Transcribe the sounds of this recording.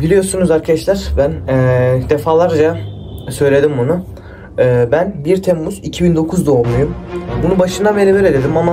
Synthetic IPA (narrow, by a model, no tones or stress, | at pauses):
bilʲijo̞ɾsunuzaɾkʰad̪aʃlʲæɾ̥bænːd̪e̞faːlˠaɾd͡ʒa | sø̞jlʲe̞d̪imbunʊ | ɯːbænbiɾt̪ʰemːuzicʰibind̪o̞kʰuzd̪oolˠmujumbunubaʃɯnd̪amelʲiveɾed̪ed̪imama